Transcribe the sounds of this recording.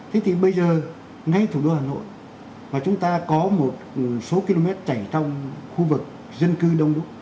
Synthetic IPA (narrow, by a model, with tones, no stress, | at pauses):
t̪ʰe˨˦t̪ʰi˨˩ɓə˧jzəː˨˩ | ŋa˧jt̪ʰu˧˩ɗo˧haː˨˩no̰˧˨j | vaː˨˩t͡ɕʊ˨˦ŋ͡mt̪aː˧kɔ˨˦mo˨˩t̚so˨˦ki˧lo˧mɛ˦˥t̚t͡ɕa˧˩jt͡ɕɔ˧wŋ͡mxu˧vɨ˨˩k̚ | zə˧nkɨ˧ɗə˧wŋ͡mɗu˦˥